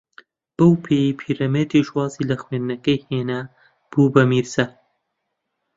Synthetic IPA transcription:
b̥ɐwpʰejipʰiːɾɐmed̪iʃwɑːzilɐxweːnd̪nɐkɐjheːna | b̥uːbɐmiːɾzɐ

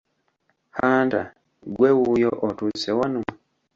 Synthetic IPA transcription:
hanta̰ | ɡwewujoʔotusewanu

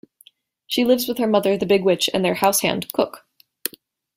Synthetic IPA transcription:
ʃilɪvzwɨð̥ə˞mʌðə˞ðɨbɪɡwɪt͡ʃɨ̰̃nðə˞haʊshæ̰̃ndkʰʊk

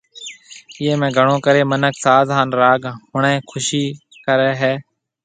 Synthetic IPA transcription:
jeːmɛ̃ːɡʱəɳõːkəɾeːmənəksaːd̪ʱaːnɾaːɡɦʊɳẽːkʰʊʃiː | kəɾɛːɦɛː

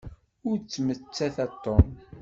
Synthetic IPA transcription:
ʊɾt͡sːmət͡sːæθæt̪ːom

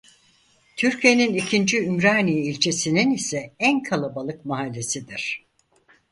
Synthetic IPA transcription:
t̪ʰyɾcʰije̞ninicʰind͡ʒiymɾaːniːilʲt͡ʃʰe̞sininisɛænkʰalˠabalˠɯkmaɦalʲːe̞sid̪iɾ̝̥

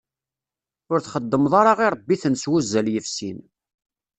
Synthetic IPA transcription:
ʊɾθχəd̪ːəmðˤɑɾˤɑʁiɾˤəbːiθənswuzːəljəfsin

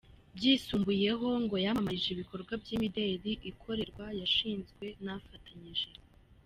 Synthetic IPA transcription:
bɟiːsuːmbuje̞ɦo̞ŋɡo̞jamaiʒiβiko̞ɾɡwabɟiːmideːɾiʔikʰo̞ɾe̞ɾɡwajaʃiːnzɡwe̞nafatʰaɲiʒe̞

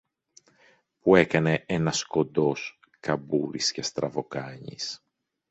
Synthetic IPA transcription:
pue̞kɐne̞ʔenɐsko̞nd̪o̞s | kɐbuɾisce̞st̪ɾɐvo̞kɐɲḭs

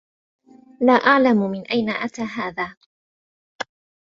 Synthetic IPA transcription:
laːʔaʕlammɪnʔajnaʔat̪aːɦaːðaː

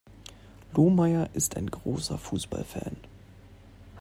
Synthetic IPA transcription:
loːmaɪɐʔɪstaɪnɡʁoːsɐfuːsb̥a̰lfɛ̰ːn

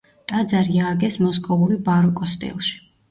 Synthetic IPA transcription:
t̪ʼad̪zaɾiaːɡɛsmɔskʼɔvuɾibaɾɔkʼɔst̪ʼḭlˠʃi̥

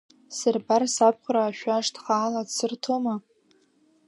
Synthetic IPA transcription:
sɨrbarsap̚ʰqʷʰraːʃᶣʷaʂtʰχaːladsɨrtʰoma

